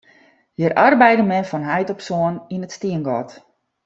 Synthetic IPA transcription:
jərʔarbɛjdəmɛnfɔnɦajtɔpsoəninətstiənɡɔt

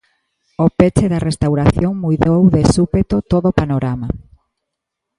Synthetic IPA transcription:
opet͡ʃeðarest̪awɾaθjoŋmujðowðesupet̪ot̪oðopanoɾama

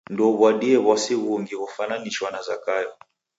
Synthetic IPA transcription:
ndɔβwaɗiɛβɔsɛɣɔŋɡiβɔfananiʃwanazakajɔ

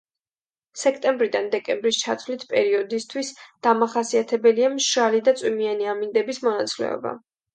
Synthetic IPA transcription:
sɛkʰt̪ʼɛmbɾid̪and̪ɛkʼɛmbɾist͡ʃʰat̪ʰvlit̪ʰpʼɛɾiɔd̪ist̪ʰwisd̪̥amaχasiat̪ʰɛbɛliamʃalid̪at̪sʼwimianiamind̪ɛbismɔnat̪sʼlɛ̰ɔ̰ba̰

